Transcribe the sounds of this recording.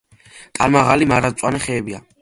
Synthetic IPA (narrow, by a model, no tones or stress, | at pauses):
t̪ʼanmaʁalimaɾasʼwanɛχɛːbia̰